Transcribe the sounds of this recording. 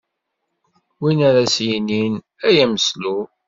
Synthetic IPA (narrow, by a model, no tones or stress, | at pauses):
winaɾæsjinin | æjæməslu